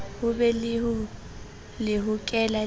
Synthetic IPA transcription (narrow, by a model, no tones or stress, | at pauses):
hʊbɛlɪɦʊ | lɪɦʊkʼɛla